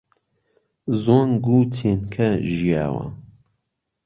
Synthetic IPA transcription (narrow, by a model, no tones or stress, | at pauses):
zonɡuːtʰenkʰɐʒija̰ːwɐ̰